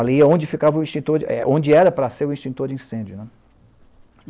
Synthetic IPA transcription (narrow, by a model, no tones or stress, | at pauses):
aliɐõd͡ʒɪfikavɐʊĩʃt͡ʃĩt̪oɛ̰ʔõd͡ʒɪɛɾɐpɾɐseɾʊĩʃt͡ʃĩnt̪oɾd͡ʒiĩsẽnd͡ʒʊnɛ